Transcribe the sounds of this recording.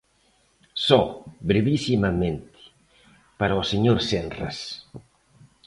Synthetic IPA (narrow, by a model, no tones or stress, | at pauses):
sɔbɾeβisimamẽnt̪ɪ̥ | paɾaoseɲoɾsenra̰s